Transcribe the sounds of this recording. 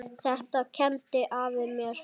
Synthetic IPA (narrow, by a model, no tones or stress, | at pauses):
θɛht̪acʰɛnt̪ɪʔavɪmjɛɾ̥